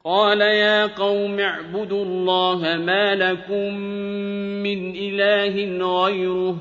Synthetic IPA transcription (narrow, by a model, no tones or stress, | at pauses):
qɑːlajaːqɑwmaʕbʊd̪ʊlˤːɑːɦamaːlakʊmː | ɪnʔɪlaːɦɪnɣajɾʊ